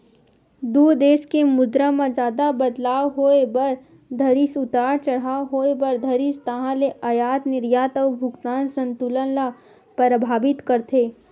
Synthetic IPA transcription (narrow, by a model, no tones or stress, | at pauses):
d̪uːd̪eːskemʊd̪ɾãmãd͡ʒaːd̪abɐd̪laːwɦoebɐɾ | d̪ʱɐɾisʊt̪aːɾt͡ʃɐɽ̤aːɦoːebɐɾd̪ʱɐɾist̪ɐɦãleʔɐjaːt̪nɪɾjaːt̪əwbʱʊɡt̪aːnsə̃nt̪ulənla | pəɾəbʱaːbɪt̪kəɾt̪ʰeː